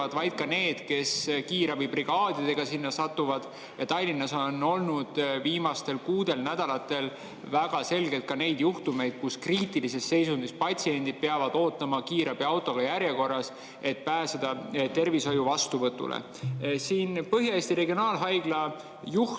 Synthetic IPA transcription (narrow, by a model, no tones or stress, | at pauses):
ɑd̪̥vɑjd̪̥̚kɑne̞ːd̪̥ke̞skiːɾɑbibriɡ̥ɑːd̪̥id̪e̞ɡ̥ɑsinːɑsɑt̪ːuvɑd̪̥ | jɑt̪ɑjlːinːɑsono̞lnud̪̥viːmɑst̪e̞lkuːd̪̥e̞lnæd̪̥ɑlɑt̪ːˑe̞l | væɡ̥ɑse̞lɡet̪̚kɑne̞jd̪̥juht̪ume̞jd̪̥̚kuskriːt̪ilise̞st̪ːe̞jsund̪ispɑt̪ʲsie̞nd̪id̪̥̚peɑvɑd̪̥o̞ːt̪ːˑɑmɑkiːɾɑb̥iɑwt̪ːˑo̞ɡ̥ɑjæɾje̞ko̞rːɑs | e̞t̪̚pæːse̞d̪̥ɑt̪e̞rviso̞juvɑst̪uvɤt̪ːˑṵlḛ | siːnpɤɦjɑeːst̪iɾe̞ɡio̞nɑːlɦɑjɡ̥lɑ | ju